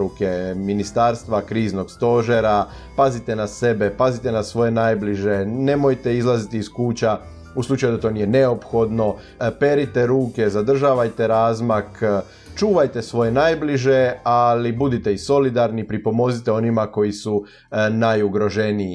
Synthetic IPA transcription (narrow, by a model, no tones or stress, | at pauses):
ukeminist̪aɾst̪ʋakɾiːzno̞ɡst̪o̞ʒeɾa | pazit̪e̞nase̞be̞pazit̪enasʋo̞je̞najbliʒe̞ne̞mo̞jt̪e̞izlˠazit̪iːskuːt͡ɕa | uslˠut͡ʃajud̪at̪o̞ːnije̞neo̞pxo̞d̪no̞ | pe̞ɾit̪eɾuːke̞zad̪r̩ʒaːʋajt̪e̞ɾaːzmak | t͡ʃuːʋajt̪e̞sʋo̞je̞najbliʒe̞alibud̪it̪e̞iso̞lid̪aɾnipɾipo̞mo̞zit̪e̞o̞nimako̞jisu | najuɡɾo̞ʒe̞nii